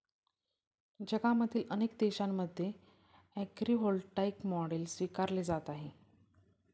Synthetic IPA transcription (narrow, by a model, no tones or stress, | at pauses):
d͡ʑəɡaməd̪ʰʱiːlənek̚d̪eɕamːəd̪ʱːje | ækɾiɦolʈaikmɔɽeːlsʋikaɾled͡zat̪aɦe